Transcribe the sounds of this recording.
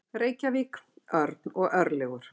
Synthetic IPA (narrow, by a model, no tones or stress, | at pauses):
reːjcaviːkœɾt̪̚nɔɣʔœɾlɛɣʏɾ̥